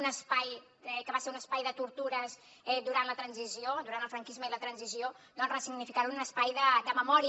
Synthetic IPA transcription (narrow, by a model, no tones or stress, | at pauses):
nəspaj | ɛkəβaseɾunəspajðət̪uɾt̪uɾəz | ɛd̪uɾant̪lət̪ɾənziziod̪uɾanəlˠfɾəŋkizməilət̪ɾənzizio | nonrəsiɡnifikaɾununəspajðəd̪əməmɔɾ